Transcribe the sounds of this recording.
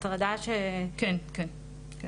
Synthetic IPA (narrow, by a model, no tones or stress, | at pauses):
t̪ʁad̪aʃekɛnken | k